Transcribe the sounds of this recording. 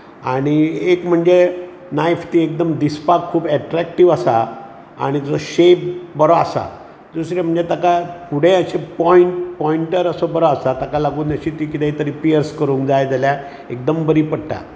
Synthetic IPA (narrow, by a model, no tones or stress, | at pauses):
aɽ̃iekm̤əɳd͡ze | najft̪iek̚d̪əmd̪ispakʰːuːbɛʈɾæk̚ʈiʋasa | a̰ɽ̃id͡zɔɕep̚bəɾɔasa̰ | d̪usɾem̤əɳd͡zet̪akapuɽ̤ẽəɕepɔiɳʈpɔiɳʈəɾəsɔbəɾɔasat̪akalaɡuːnəɕit̪iːkit̪ɛ̃it̪əɾipiəɾskəɾũːŋkd͡zajd͡zalja | ek̚d̪əmbəɾiːpəɽʈa̰